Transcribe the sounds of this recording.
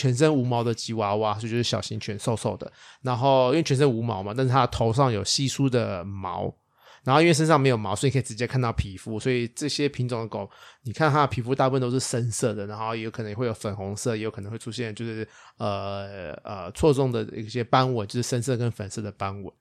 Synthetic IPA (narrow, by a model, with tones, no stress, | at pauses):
t͡ɕʰɥɛ˧˥nʂ̬ə˥nu˧˥mɑ˧˥ʊd̪ə˨t͡ɕi˧˥wa˧˥wa˥wt͡ɕjo˥˧ʂ̩˥˩ɕjɑ˨˩ɕi˧˥ŋt͡ɕʰɥɛ˧˥nso˥˧ʊso˥˩ʊd̪ə̰˩ | na˧˥nxo˥˩ʊi˥we˥˩t͡ɕʰɛ˧˥nʂ̬ə˥ŋu˧˥mɑ̰˧˥ʊma˨˦t̪a˥˧nʂ̩˥˩t̪ʰa˥t̪ʰo˧˥ʊʂɑ˥˩ŋjo˨˩ʊɕi˥˩su˥d̪ə˨mɑ̰˧˥ʊ | ɻa˧˥no˥˧i˥wʂə˥nʂɑ˥˩ŋme˧˥ɪjo˨˩ʊmɑ˧˥sɔ˧˥i˨kʰi˨˩ʈ͡ʂɻ̩˧˥t͡ɕjɛ˥kʰa˥˧nt̪ɑ˥˩ʊpʰi˨˩fu˦˥swɔ˧˥i˨˩ʈ͡ʂɤ˥˩ɕjɛ˥pʰi˧˥ŋʈ͡ʂʊ˨ŋd̪ə˧ko˨˦ni˨˩kʰa˥˩nt̪ʰa˥˨pʰi˨˩fu˥t̪a˥˧pu˥˩ə˧˨nt̪o˥ʊʂɻ̩˥˩ʂə˥nsɤ˥˩d̪ə˩na˧˥nxo˥˩jɛ˧˦jo˧k̪ʰə˧˦jɛ˨we˥˩jo˧˥ʊfə˨˩nxʊ˧˥ŋsɤ˥˨jjo˧˥kʰnə˧˦ŋwe˥˩ʈ͡ʂʰu˥ɕjɛ˥˨nt͡ɕjo˥˧ʊʂɻ̩˥˩ə˩ | ə̰˩t͡sʰwɔ˥˧ʈ͡ʂʊ˥˩ŋd̪ə˩ḭ˥˧˩ɕjɛ˥pa˥nwə˨˩˦nt͡ɕo˥˧ʊʂɻ̩˥˩ʂə˥ns̬ɤ˥˩kə˦˥nfə˨˩nsɤ˥˩d̪ə˩pa˥nwə̰˨˦